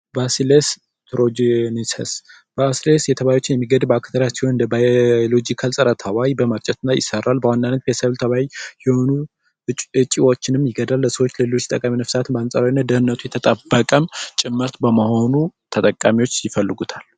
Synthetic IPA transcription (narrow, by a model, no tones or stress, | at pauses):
basiles | t̪ʰɾod͡ʒnisʰɛs | basilesjɛt̪ʰəβajot͡ʃːɪnjɛmːiɡəd̪bəakt̪ʰəɾasihonɨnd̪əbajolod͡ʒikʰalsʼəɾət̪ʰawajbəməɾt͡ʃʼɛt̪ɨnːajɪ̰səɾalbəwanːanːət̪̚bjɛsəβlt̪ʰəβajjɛho̞nu | ɨt͡ʃʼːiwo̞t͡ʃːɪnɨmːjɪɡəd̪alːəsəwot͡ʃːləlɨlo̞t͡ʃːɪ̥t̪ʼəkʼaminəfsat̪ɨmbəansʼaɾawnːat̪̚d̪əhɨnːət̪ʰujɛt̪ʰət̪ʼəbːəkʼəmt͡ʃʼɪmːɨɾt̪bəməho̞nut̪ʰət̪ʼəkʼːamiwo̞t͡ʃːjɪfəlːɨɡut̪ʰal